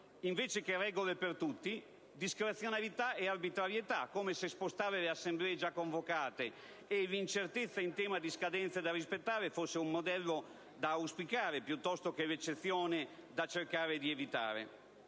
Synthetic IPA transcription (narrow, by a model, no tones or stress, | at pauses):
iɱveːt͡ʃek̟erɛːɡolepert̪ut̪ːi | d̪iskɾet̪sːjonalit̪aearbit̪ɾaɾjet̪akːoːmesespost̪aːveleasːemblɛːed͡ʒakːoɱvokaːt̪eː | lint͡ʃert̪et̪sːaint̪ɛːmad̪iskad̪ɛnt̪sad̪arispet̪ːaːɾefosːeumːod̪ɛlːo | d̪awspikaːɾepjut̪ːɔst̪okelet͡ʃːet̪sːjoːned̪at͡ʃerkaːɾed̪ievit̪a̰ːɾḛ